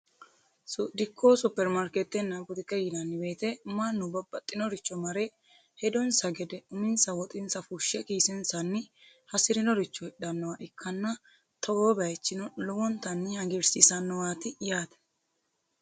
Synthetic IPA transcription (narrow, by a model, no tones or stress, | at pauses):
sʊd̪ɪkʰːoːsʊpːɛɾmɐɾkɛt̪ːɛnːɐbʊd̪ɪkːɛjɪnɐnːɪbe̞ːt̪ɛmɐnːʊbɐbːɐt̪ʼːɪnɔɾɪt͡ʃːɔmɐɾɛ | hɛd̪ɔnsɐɡɛd̪ɛʊmɪnsɐwɔt̪ʼɪnsɐfuʃːɛkiːsɪnsɐnːɪ | hɐsɪɾɪnɔɾɪt͡ʃːɔhɛɗɐnːɔwaʔɪkʰːɐnːɐ | t̪ʰɔɡoːbɛɛt͡ʃːɪnɔlɔwɔnt̪ɐnːɪhɐɡɪɾsisɐnːɔwaːt̪ɪjaːt̪ɛ̥